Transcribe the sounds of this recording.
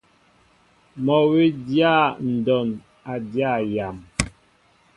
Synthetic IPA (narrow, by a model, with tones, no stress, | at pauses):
mɔ˨we˦dja˦˨n̩˨dɔ˨n | a˨dja˦˨ja˨m